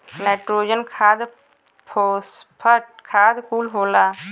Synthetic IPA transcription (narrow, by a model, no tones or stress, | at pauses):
naːʈɾoːd͡ʒənkʰaːd̪ | pʰospʰəʈkʰaːd̪kuːlɦoːlaː